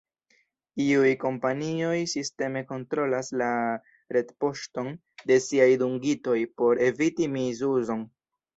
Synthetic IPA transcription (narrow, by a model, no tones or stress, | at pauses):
iujko̞mpanio̞jsiste̞me̞ko̞ntɾo̞lasla | ɾe̞dpo̞ʃto̞n | de̞siajduŋɡito̞jpo̞ɾe̞vitimizuzo̞n